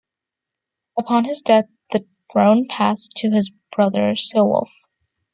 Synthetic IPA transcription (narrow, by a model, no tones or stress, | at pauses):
əpʰɑ̃nɨzdɛθ | ðɨ | θɹõʊ̃npʰæstʰɨɨzb̥ɹʌðə˞sɪlˠwʊ̰lˠf